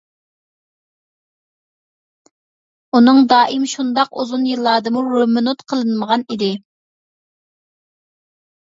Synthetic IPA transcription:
unɨŋd̪ɑːʔimʃund̪ɑquzunjilˠːɑːd̪ɨmuɾomɨnut̪qʰəlˠɨnməʁɑnid̪ɪ

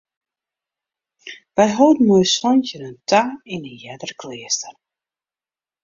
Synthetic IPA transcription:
ʋɛjɦowdn̩mujsɔnçənəntʰainəjɛdərkʰlɪəstər

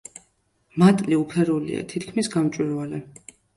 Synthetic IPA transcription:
mat̪ʼliupʰɛɾulḭa̰t̪ʰit̪kʰmisɡamt͡ʃʼwiɾvalɛ

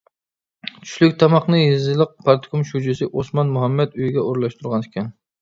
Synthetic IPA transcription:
t͡ʃʰy̥ʃlykʲt̪ʰɑmɑχnɨjizɨlˠəq̚pʰɑɾt̪ʰkʰumʃud͡ʒɪsɪʔosmɑnmuɦɑmːɛt̪yjɡʲɛoɾlˠɑʃt̪ʰuɾʁɑnɪkʲʰɛn

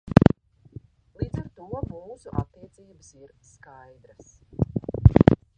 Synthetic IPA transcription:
lˠiːd̪zaɾt̪uɔmuːsuʔa̰t̪ːiɛt̪siːbəsiɾskajd̪ɾas

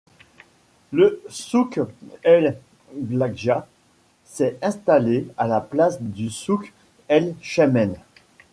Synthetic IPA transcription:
ləsukɛl | blaɡʒa | sɛɛ̃st̪alealaplasd̪ysuk | ɛlʃamɛn

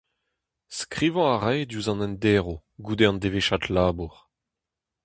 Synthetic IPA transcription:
skʁivɔ̃aʁɛjd̪uzɑ̃nɛnd̪eːʁo | ɡud̪eɑ̃nd̪eveʃat̪laːbuʁ

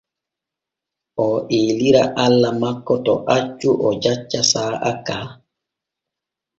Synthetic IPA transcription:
ʔɔʔeːliɾaʔalːamakːɔtɔʔat͡ʃːuʔɔd͡ʒat͡ʃːasaːʔakaː

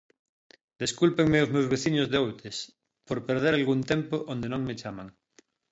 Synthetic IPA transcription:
d̪eskulpeŋmeozmewzβeθiɲozðeowt̪es | poɾpeɾðeɾalɣunt̪empoʔond̪enõŋmet͡ʃamaŋ

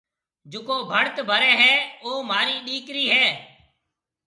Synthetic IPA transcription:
d͡ʒʊkoːbʱəɽt̪bʱəɾɛːɦɛːoːmaːɾiːɗiːkɾiːɦɛː

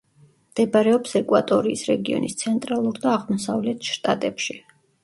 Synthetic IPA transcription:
md̪̥ɛbaɾɛɔpsɛkʼwat̪ʼɔɾiːsɾɛɡiɔ̰nḭst̪sʰɛnt̪ʼɾalˠuɾd̪aːʁmɔsavlɛt̪ʰʃt̪ʼat̪ʼɛpʃi

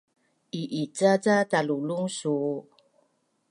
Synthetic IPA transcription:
ʔiʔit͡sat͡sataluluŋsu

